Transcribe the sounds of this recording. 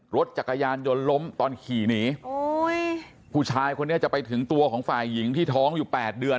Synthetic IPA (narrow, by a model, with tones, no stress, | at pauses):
ɾo˦˥t̪̚t͡ɕa˨˩kːa˧jaː˧njo˧nlo˦˥mt̪ɔː˧nkʰiː˨˩niː˦˥˧j | pʰuː˧˩t͡ɕʰaː˧jkʰo˧nː˦˥ɐt͡ɕa˨˩pa˧jt̪ʰɯ˩˦ŋt̪u˧ɐkʰɔː˩˦ŋfaː˨˩jːi˩˦ŋt̪ʰiː˥˩t̪ʰɔː˦˥ŋjuː˨˩pɛː˨˩t̪̚dɯ˧ə